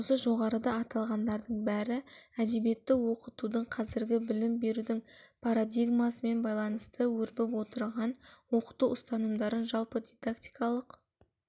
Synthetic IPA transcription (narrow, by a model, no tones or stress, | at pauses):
osəʒo̞ʁɑɾəd̪ɑɑt̪ɑlˠʁɑnd̪ɑɾd̪əɴbæɾɪæd̪e̞bje̞t̪ːɪwo̞qət̪ud̪əɴqʰɑzɪɾɡʲɪbɪlɪmbe̞ɾud̪ɪŋpʰaɾad̪ʲijɡmasəme̞nbɑjlˠɑnəst̪ʰəwɵɾbɪpwo̞t̪əɾʁɑnwo̞qə̥t̪uʊst̪ɑnəmd̪ɑɾənʒɑlˠpəd̪ʲijd̪akt̪ijkɑlˠəq